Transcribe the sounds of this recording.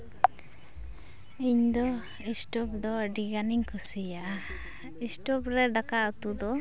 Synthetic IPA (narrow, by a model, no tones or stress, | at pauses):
iɲd̪ɔ | isʈɔp̚d̪ɔɖiɡaniɲkʰusijaʔa | isʈɔpɾɛd̪akaut̪ud̪ɔ